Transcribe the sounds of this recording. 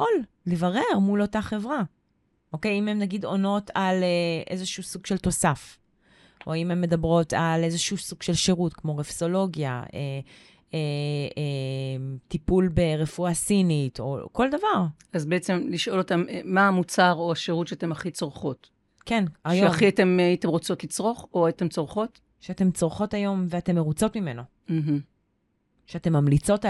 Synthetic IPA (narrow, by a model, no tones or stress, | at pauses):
ʔol | levaʁe̞ʁmulo̞taχe̞vʁa | ʔo̞ke̞jimemnaɡido̞no̞taleʔe̞̰zeʃusuɡʃe̞lto̞saf | ʔoimemːe̞dabʁo̞tale̞zeʃusuɡ̥ʃe̞lʃeʁutkmo̞ʁefso̞lo̞ɡja̰e | e | tipulbe̞ʁefuasinito̞̰ko̞ldavaʁ | azbeet͡semliʃo̞lotameːaːmut͡saʁoaʃeʁutʃeatemaχit͡soʁχo̞t | kenaʃjoeaχiate̞mitemʁot͡so̞tlit͡sʁo̞χoaitemt͡soʁχo̞t | ʃeate̞mt͡soʁχo̞tajo̞mveate̞mːeʁut͡so̞tmime̞no̞ | m̩ɦm̩ | ʃeate̞mamlit͡so̞t